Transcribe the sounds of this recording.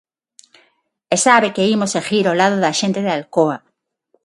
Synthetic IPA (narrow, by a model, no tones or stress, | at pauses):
esaβekeimosexiɾolaðoðaʃẽnt̪eðealkoa